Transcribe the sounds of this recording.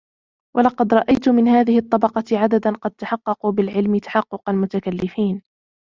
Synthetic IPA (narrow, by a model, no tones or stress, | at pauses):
wʔɑlɑqɑd̪ɾˤɑʔajt̪ʊmɪnhaːðɪhɨt̪ˤːɑbɑqɑʕad̪ad̪anqɑd̪̚t̪aħɑqːɑquːbɪlʕɪlmɪt̪ḁħɑqːʊqɑlmʊt̪akalːɪfiːn